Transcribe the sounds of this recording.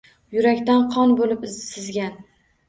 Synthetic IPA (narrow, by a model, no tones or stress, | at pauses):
jʊɾakʲt̪anqʰɒnbolɪp̪ːɪzɡʲan